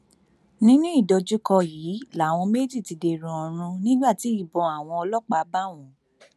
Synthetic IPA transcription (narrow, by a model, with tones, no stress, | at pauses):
nĩ˦nũ˦i˦˨dɔ˧d͡ʒu˦kɔ˧jiː˨˦la˨˦˨w̃ɔ̃˧me˦d͡ʒi˦˨ti˧de˨˧ɾũ˧ɔ̃˧ɾ̃ũ˧nĩ˦ɡ͡ba˦˨ti˨˦i˦˨bɔ̃˨˧a˨w̃ɔ̃˧ɔ˧lɔ˦k͡pa˦˨˦ba˦˨w̃ɔ̃˨